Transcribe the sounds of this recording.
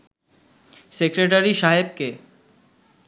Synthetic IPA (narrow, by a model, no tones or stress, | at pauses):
sekɾeʈ̬aɾiʃaɦeb̚ke